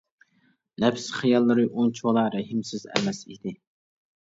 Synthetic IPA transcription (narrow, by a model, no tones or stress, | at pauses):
lɛpsχijɑlˠːɨɾɨʔont͡ʃʰwɑlˠɑɾɛɦɪmsɪzɛ̰mɛsḭd̪ɪ